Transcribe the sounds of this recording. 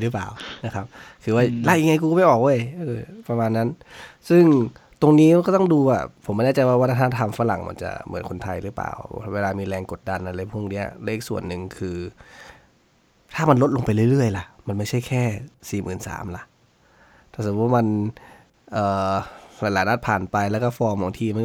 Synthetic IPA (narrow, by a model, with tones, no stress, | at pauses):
lɯː˦paː˨˩wna˦˧˥kʰa˦˥p̚kʰɯː˧˦waː˧˥˩laː˧˩˨a˧ŋa˧jk̬u˧kɔ˥˨pa˨˩ʔɔː˨˩k̚woː˧˥˩jʔɤː˧˩pa˧maː˧nːa˦˥nsɯ˥˩ŋ | t̪o˧ŋniː˦˥˧kɔ˧˩t̪ɔ˥˩ŋduː˧waː˧˩pʰo˨˩˦mːa˧nɛ˥˩t͡ɕa˨jwaː˧˩aː˧˩˧t̪ʰaː˧˥˩t̪ʰa˧˨mfa˧la̰˨˩˦ŋma̰˧nt͡ɕa̰˧˩mɯ̰˨˩˦nkʰo˧nt̪ʰa˧jɾɯː˨˦pa̰ː˨˩wweː˧laː˧miː˧lɛː˧ŋko˨˩t̪̚da˧nʔa˧le˧˦pʰu˧˥˩ŋni˦˥ɐle˦˥˨k̚su˨˩ənːɯ˨˩ŋkʰɯː˧ | t̪ʰaː˥˩ma˧nlo˦˥t̪̚lo˧ŋpa˧jlɯ˥˩˨lɯ˥˩əjla˧˩ʔma˧nma˥˩jt͡ɕʰa˥˩jkʰɛː˥˩siː˨˩mɯː˨˩˦nsa̰ː˩˦mla˧˥ʔ | t̪ʰaː˧˩sa˧˩u˦˥ma˧n | ʔɤː˨˩laː˨˦jlaː˨˦na˦˧˥t̪̚pʰaː˨˩npa˧jlɛː˦˩kɔ˥˩fɔː˧mɔ˨˩˦ŋt̪ʰiː˧ma˧˥n